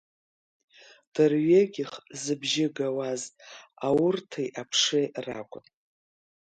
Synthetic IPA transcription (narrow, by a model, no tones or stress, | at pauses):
d̥ɨrɥeɡʲɪχzɨbʒɪɡawaztʼawʊrtʰajʔapʰʂɨra̰kʷʼʊn